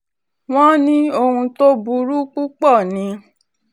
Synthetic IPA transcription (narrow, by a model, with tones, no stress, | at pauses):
w̃ɔ̃˦nĩ˦o˧hũ˧to˦bu˧ɾu˦k͡pu˦k͡pɔ˦˨nĩ˨˦